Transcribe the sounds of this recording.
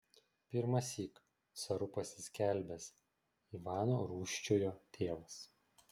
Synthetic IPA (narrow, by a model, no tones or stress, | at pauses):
pʲɪɾmɐsʲiːk | sɐɾʊpɐsʲɪ̥sʲkʲæˑlʲbʲɛs | iːʋɑːnoːɾuːʃʲt͡ʃʲoːjoːt̪ʲʰeːʋɐs